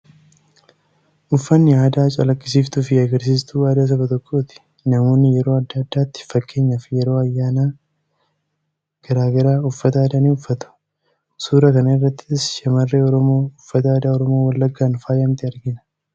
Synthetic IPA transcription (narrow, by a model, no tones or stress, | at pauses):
ʔʊfːɐnːɪaːd̪aːt͡ʃʼɐlɐkʼːɪsiːft̪ʊfɪɐɡɐɾs̬iːst̪uːaːd̪aːs̬ɐbɐt̪ɔkʼːo̞ːt̪ɪ̥ | nɐmo̞ːnːɪjɛɾo̞ːɐd̪ːɐd̪ːaːt̪ːɪ̥fɐkːe̞ːɲːɐfɪjɛɾo̞ːɐjːaːnaː | ɡ̥ɐɾaːɡɐɾaːʊfːɐt̪ɐaːd̪ɐniʊfːɐt̪ɐ̥ | suːɾɐkɐnɐɪrːɐt̪ːɪsʃɐmɐrːeːɔɾɔmoːʊfːɐt̪ɐaːd̪aːɔɾɔmoːwɐlːɐɡːaːnfaːjɐmt̪ɪɐɾɡɪnɐ̥